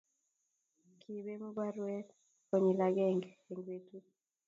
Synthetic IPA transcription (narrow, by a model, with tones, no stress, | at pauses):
kʰi˨be˦mu˦ba˦ɾwɛ˦ | kɔ˨ɲi˨laɡɛ˦ŋɡe˨ŋɡwe˨tu˦